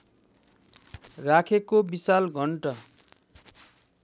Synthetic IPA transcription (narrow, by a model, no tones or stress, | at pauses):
rakʰekobisalɡʱʌɳʈʌ